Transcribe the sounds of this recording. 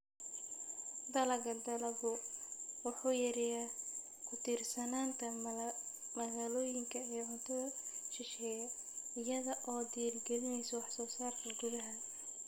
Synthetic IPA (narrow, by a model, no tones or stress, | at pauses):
d̪ɐlɐɡɐd̪ɐlɐɣurwɑħuːjɐɾɪja | kʰʊt̪ʰiːrsɐnaːnt̪ʰɐ | mɐɣaːlɔːjɪŋkʰɐɛːʕʊnt̪ʰɔɐʃɪʃɛːjɐ | ɪjɐðɐʔɔːd̪ijarɡɛlɪnɛjsɐwɑħsɔːsaːrkʰɐɡʊðɐɦɐ